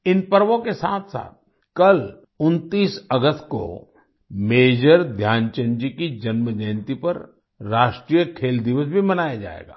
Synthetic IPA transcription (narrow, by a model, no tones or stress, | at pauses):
ɪnpɐɾʋõkesaːt̪ʰsa̰ːt̪̚ | kɐl | ʊnt̪iːsɐɡəst̪̚ko̰ | meːd͡ʒəɾd̪ʱjaːnt͡ʃə̃nd͡ʒikid͡ʒɐnməd͡ʒəɪnt̪ipɐɾː | aːʃʈɾijəkʰeːld̪ɪʋəsbʱimɐnaːjad͡ʒa̰ːḛːɡa̰ː